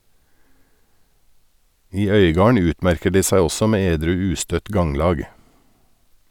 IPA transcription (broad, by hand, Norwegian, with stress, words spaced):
ˈiː ˈœʏɡɑːɳ ˈʉːtˌmæɾkəɾ ˈdiː ˈsæɪ ˈɔsɔ ˈmeː ˈeːdɾʉː ˈʉːstœt ˈɡɑŋlɑːɡ